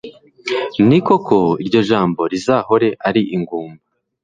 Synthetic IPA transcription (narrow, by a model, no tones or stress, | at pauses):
niko̞kʰo̞iɾɟo̞ʒaːmbo̞ɾizaho̞ɾe̞ʔaɾiʔiŋɡuːmba